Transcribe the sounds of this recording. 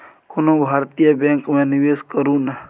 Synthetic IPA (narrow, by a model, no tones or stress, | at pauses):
kʊnõbʱaːɾt̪ijəbẽːŋkmẽnɪʋeːskəɾũːna